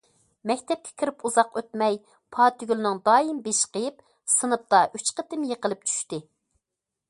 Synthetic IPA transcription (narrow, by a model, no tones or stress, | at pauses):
mɛkʲt̪ʰɛp̚kʲʰɛ̥kʲʰiɾɪpuzɑqøt̪mɛj | pʰɑːt̪yɡʲylnɨŋd̪ɑːjimbeʃqəjɪp | sɨnɨp̚t̪ɑʔyt͡ʃqət̪ɪmjeqəlˠɨp̚t͡ʃʰy̥ʃt̪ɪ